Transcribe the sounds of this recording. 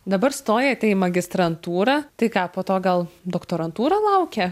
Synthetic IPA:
d̪ɐbɐɾst̪oːjɛɐt̪ʲɛɪmɐɡʲɪst̪ɾɐnt̪uːɾɐt̪ɐɪkɑːpoːt̪oːɡɐlˠd̪oːkt̪oːɾɐnt̪uːɾɐlˠɐʊkʲɛ

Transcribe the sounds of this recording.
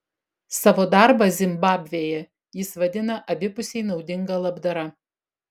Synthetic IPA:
sɑːʋoːd̪ɑɾbɐzʲɪmbɑːbʲʋʲeːjɛ | jɪsʋɐd̪ʲɪnɐʔɐbʲɪpʊsʲɛɪnɒʊd̪ʲɪŋɡɐlˠɐbd̪ɐɾɐ

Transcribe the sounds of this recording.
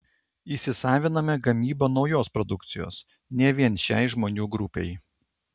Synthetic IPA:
iːˑsʲɪsɑːʋʲɪnɐmʲɛɡɐmʲiːbɐnɒʊjoːspɾɔd̪ʊkt̪sʲɪjo̰ːs | nʲɛʋʲiɛnʃʲæˑɪʒmoːnʲuːɡɾʊpʲɛ̰ɪ

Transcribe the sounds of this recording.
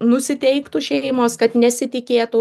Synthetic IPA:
nʊsʲɪt̪ʲɛɪkt̪uʃʲɛmoːskɐt̪nʲɛsʲɪt̪ʲɪkʲeːt̪u

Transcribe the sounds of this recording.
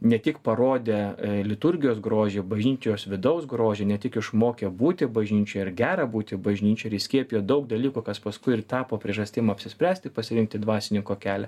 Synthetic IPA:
nʲɛt̪ʲɪkpɐɾoːd̪ʲeːlʲɪt̪ʊɾʲɡʲɪjoːsɡɾoːʒʲeːbɐʒʲnʲiːt̪ʲojoːsʋʲɪd̪ɐɒʊsɡɾoːʒʲeːnʲɛt̪ʲɪkɪʃmoːkʲeːbuːt̪ʲɪbɐʒʲnʲiːt͡ʃʲojɪɾɡʲæːɾɐbuːt̪ʲɪbɐʒʲnʲiːt͡ʃʲoːɪɾɪsʲkʲiɛpʲijoːd̪ɐʊk̚d̪ɐlʲiːkuːkɐspɐskʊɪɪrt̪ɑːpoːpʲɾʲiɛʒɐsʲt̪ʲɪmɐɐpʲsʲɪsʲpʲɾʲæːsʲt̪ʲɪpɐsʲɪɾʲɪŋk̚t̪ʲɪd̪ʋɑːsʲɪnʲɪŋkoːkʲæːlʲɛ

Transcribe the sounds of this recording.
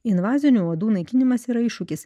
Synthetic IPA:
ɪnʋɑːzʲɪnʲuˑuːd̪uːnɐɪkʲɪnʲɪmɐsiːɾɐɪʃʊkʲɪs

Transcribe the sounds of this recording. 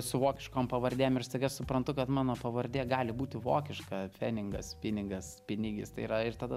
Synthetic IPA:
sʊʋoːkʲɪʃkoːmpɐʋɐrʲd̪ʲeːjmɪrsʲt̪ɐɪɡʲɐʃsʊpɾɐnt̪ʊkɐt̪mɑːnoːpɐʋɐɾʲd̪ʲeːɡɑːlʲɪbuːt̪ʲɪʋo̰ːkʲɪʃkɐfʲæːnʲɪŋɡɐspʲɪnʲɪɡɐspʲɪnʲɪɡʲɪst̪ɐɪiːɾɐɪrt̪ɐd̪ɐ

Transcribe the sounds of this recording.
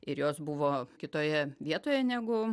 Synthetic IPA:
ɪɾjoːsbʊʋoːkʲɪt̪oːjɛʋʲiɛt̪oːjɛnʲæːɡʊ

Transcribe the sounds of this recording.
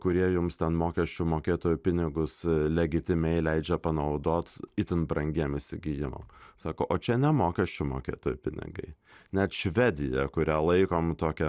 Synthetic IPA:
kʊɾʲiɛjʊmst̪ʲɛnmoːkʲɛsʲt͡ʃʲʊmoːkʲeːt̪oːjʊpʲɪnʲɪɡʊslʲɛɡʲɪt̪ʲɪmʲɛɪlʲɛɪd͡ʒʲɛpɐnɐʊd̪oːt̪ɪt̪ʲɪnbɾɐŋʲɡʲiɛmɪsʲɪɡʲɪjɪmɐ̰msɑːkoːʔoːt͡ʃʲɛnʲɛmoːkʲɛsʲt͡ʃʲʊmo̰ːkʲḛːt̪oːjʊpʲɪnʲɪ̰ɡɐ̰ɪnʲɛt̪ʃʲʋʲɛd̪ʲɪjɛkʊɾʲælˠɐɪkoːmt̪oːkʲɛ

